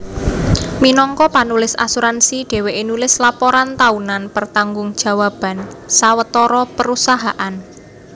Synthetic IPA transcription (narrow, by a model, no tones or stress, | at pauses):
minɔŋkɔpanulɪsa̰suɾansiɖ̥ɛ̤weʔinulɪslapɔɾant̪aunanpərt̪aŋɡʊŋd̥ʒ̥ä̤wab̥a̤nsawət̪ɔɾɔpəɾusaɦaʔan